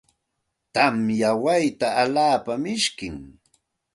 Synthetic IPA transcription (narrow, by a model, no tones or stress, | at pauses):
t̪amjawajt̪aːlaːpamɪʃkɪŋ